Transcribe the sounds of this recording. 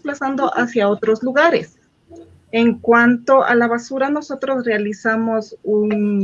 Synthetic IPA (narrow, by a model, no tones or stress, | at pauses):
plasand̪o̞ʔasjaot̪ɾozluɣaɾḛs | eŋkwant̪o̞ʔa̰laβasuɾano̞so̞t̪ɾosrealisamosun